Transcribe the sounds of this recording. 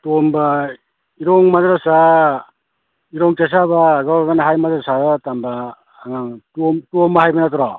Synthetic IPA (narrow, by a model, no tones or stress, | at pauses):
tomba | iɾɔŋmadɾasa | iɾɔŋkes̬abaːɡawaɡanaɦajmadɾasatambaː | ŋaŋtomtombaɦajbɐnatɔɾa